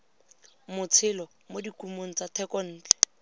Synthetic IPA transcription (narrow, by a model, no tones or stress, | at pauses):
mʊt͡sʰɪlɔ | modikumoŋ̩t͡satʰɛkɔn̩ːt͡ɬɛ̥